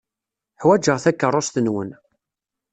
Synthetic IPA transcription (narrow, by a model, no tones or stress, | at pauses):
ħwæd͡ʒəʁθækːərˤːost̪ənwə̰n